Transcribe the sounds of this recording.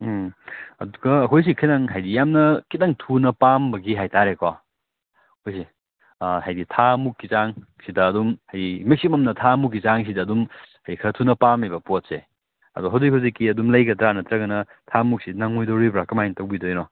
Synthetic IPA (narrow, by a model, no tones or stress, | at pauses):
ɐ̰duɡɐɐkʰojs̬ikʰinaŋɦajdijamnɐkit̚naŋtʰunɐpambɐɡiɦajtaɾeka | ɐkʰojs̬i | hajditʰamukːit͡ʃaŋ | sidɐːdumhajdimek̚sipmɐmnɐtʰamuk̬ːit͡ʃaŋs̬idɐːdumhajdikʰɾɐtʰunɐpamebɐpot̚se | ɐ̰dɔɦawdik̚huwzikːiɐdumlɐjɡɐt̪ɾanɐt̪ɾɐɡɐnɐ | tʰamuk̚sidnaŋojdowɾibɾakɐmajntɐwbidojnɔ